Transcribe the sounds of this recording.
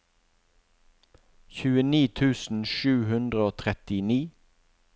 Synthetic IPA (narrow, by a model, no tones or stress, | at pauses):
çʉːəniːt̪ʰʉːsn̩ʃʉːhʉnd̪ʁəoːt̪ʰʁɛt̪ɪniː